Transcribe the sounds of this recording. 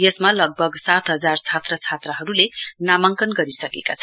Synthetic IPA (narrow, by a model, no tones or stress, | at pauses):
jesmalʌɡ̚bʱʌɡsat̪ɦʌd͡zart͡sʰat̪rʌt͡sʰat̪rʌɦʌɾulenamʌŋkʌnɡʌɾisʌkekat͡sʰʌ